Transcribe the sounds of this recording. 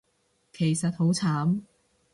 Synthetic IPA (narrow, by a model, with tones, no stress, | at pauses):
kʰe˨˩jsɐ˨t̚ho˨˥wt͡sʰaː˨˥m